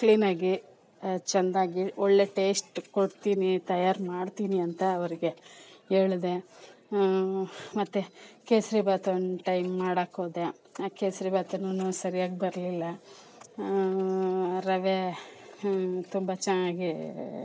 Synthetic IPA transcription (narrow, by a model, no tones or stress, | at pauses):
kliːnaːɡi | t͡ʃɐnd̪aːɡiɔɭːe̞ʈe̞ːsʈkoɽt̪iːnit̪ɐjaːɾmaːɖt̪iːniɐnt̪ɐːʋɐɾiɡe̞eːɭd̪e̞ | mɐt̪ːukeːsɾibaːt̪nʈɐjmːaːɽaːkoːd̪e | akeːsɾibaːt̪ɐnunusɐɾijaːɡbɐɾlilːɐ | ɾɐʋe | t̪umbɐt͡ʃɐnaːɡi